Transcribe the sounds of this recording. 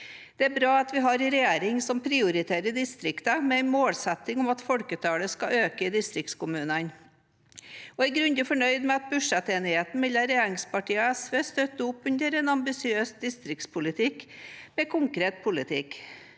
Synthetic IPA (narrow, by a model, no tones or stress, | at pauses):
d̪̥ɛæɾbɾɑːɑt̪ʋɪɦɑɾɪɾɛjeːɾɪŋsɔmpʰɾɪʊɾɪt̪ʰeːɾəd̪ɪst̪ɾɪkt̪əmɛæɪnmoːlsɛt̪ːɪŋʊmɑt̪fɔɽkət̪ʰɑːləskɑʔøːkəɪd̪ɪst̪ɾɪkt̪skʊmʉːnən | ɔɪɡɾʉnd̪əfɔɳœʏd̪mɛɑt̪̚bʉʂɛt̪eːnɪheːt̪n̩ʋɪlːɑɾɛjeːɾɪŋspɑʈiːəɛsʋeːst̪œt̪ːəʊpːʉnd̪əɾɛnɑmbɪsɪøːsd̪ɪst̪ɾɪkt̪spʰʊlɪt̪ʰɪkmɛkʰʊŋkɾeːt̪̚pʰʊlɪt̪ʰɪk